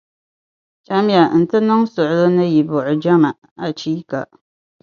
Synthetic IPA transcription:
t͡ʃa˦m˦ja˨n̩˨tɨ˦nɨ˦ŋsʊ˨ʔʊ˨lo˦nɨ˦ji˨bʊ˨ʔʊ˨d͡ʒa˦ma˨ʔ | a˨t͡ʃiː˦ka̰˨

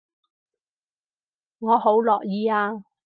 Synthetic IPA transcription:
ŋɔː˨˧ho˨˥wlɔː˨k̚jiː˨aː˧

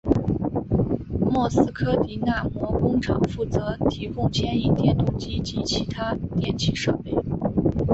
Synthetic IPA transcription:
mwɔ˥˩sɹ̩˥kʰɤ˥t̪i˧˥na˥˧mwɔ˥˩kʊ˥ŋʈ͡ʂʰɑ̰˨˩ŋfu˥˩t͡sɤ˧˥t̪ʰi˧˥kʊ˥˧ŋt͡ɕʰjɛ˥ni˥˧t̪jɛ˥˧nt̪ʊ˥˩t͡ɕi˥t͡ɕi˧˥t͡ɕʰi˧˥t̪ʰa˥t̪jɛ˥˩nt͡ɕʰi˥˩ʂɤ̰˥˧pe˥˩ɪ

